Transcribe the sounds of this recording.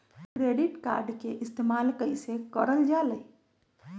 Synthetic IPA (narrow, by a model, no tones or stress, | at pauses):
kɾeːɖɪʈka̰ːɾɖkeʔɪst̪eːmaːlkəisekəɾəld͡ʒaːləi